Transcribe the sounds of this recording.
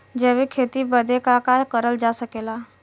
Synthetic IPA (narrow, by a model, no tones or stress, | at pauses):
d͡ʒeːʋikʰeːt̪ibəd̪ʱekakaːkəɾəld͡ʒaːsəkeːlaː